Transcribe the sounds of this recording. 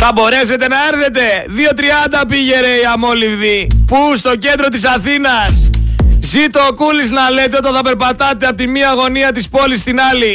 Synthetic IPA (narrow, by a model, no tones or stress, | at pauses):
θɐbo̞ɾe̞se̞t̪e̞nɐe̞ɾθe̞t̪e̞ðio̞t̪ɾiɐnd̪ɐpiʝe̞ɾeiɐmo̞livðipust̪o̞ce̞nd̪ɾo̞t̪isɐθinɐszit̪oːkuliznɐle̞t̪eo̞t̪ɐθɐpe̞ɾpɐt̪ɐt̪e̞ɐpot̪imiɐɣo̞niɐt̪̬ispo̞list̪inɐli